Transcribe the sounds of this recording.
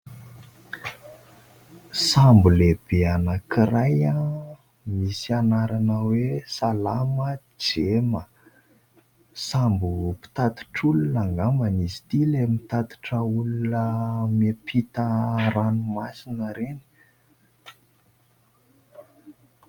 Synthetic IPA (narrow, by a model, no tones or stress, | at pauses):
sambuleb̥eanakiraja | misianaɾanəwesalamə | d͡ʒemə | sambupi̥t̪at̪i̥ʈ͡ʂulunaŋɡamanizi̥t̪ilemit̪at̪i̥ʈ͡ʂəuluunəmepʰit̪əranumasinəɾeni̥